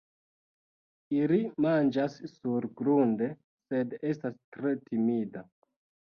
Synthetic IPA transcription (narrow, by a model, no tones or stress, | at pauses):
ilimand͡ʒassuɾɡɾunde̞ | se̞de̞stastɾe̞timida